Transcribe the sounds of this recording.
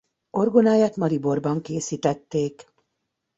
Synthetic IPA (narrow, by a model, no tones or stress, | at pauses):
o̞rɡonaːjaːt̪mɒlibo̞rbɒŋkeːsiːt̪ɛt̪ːeːk